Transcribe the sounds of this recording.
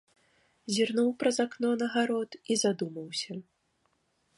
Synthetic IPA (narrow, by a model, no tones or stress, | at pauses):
zʲirnuwpɾɐzaknɔnɐɣaɾɔt̪izad̪umɐwsʲɐ